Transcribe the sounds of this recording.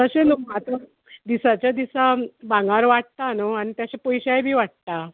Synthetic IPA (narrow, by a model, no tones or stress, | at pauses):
t̪əɕelokãt̪ə | d̪isat͡ɕjad̪isabãŋɡaɾʋaʈ̚t̪anoañit̪jaɕepɔjɕajbʱiːʋaʈ̚t̪a